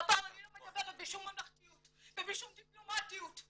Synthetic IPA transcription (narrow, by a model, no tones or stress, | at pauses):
baʁanilomaɡabeʁet̪̚biʃumanaχt̪ijut̪vebiʃumd̪iplomat̪ijut̪